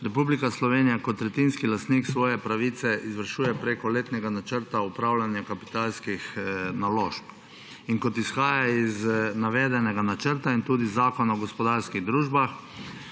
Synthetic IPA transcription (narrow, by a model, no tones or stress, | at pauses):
ɾɛpublikaslɔʋeːnijakɔt̪ɾɛt̪inskilast̪niːksʋɔːjɛpɾaʋiːt̪sɛʔizʋəɾʃuːjɛpɾeːkɔleːt̪nɛɡanat͡ʃəɾt̪aupɾawlanjakapi̥t̪alskixnaloːʃp | iŋkɔt̪isxaːjjaiznaʋɛːd̪ɛnɛɡanat͡ʃəɾt̪aint̪uːd̪izaːkɔnaɔɡɔspɔd̪aɾskiɣd̪ɾuːʒbax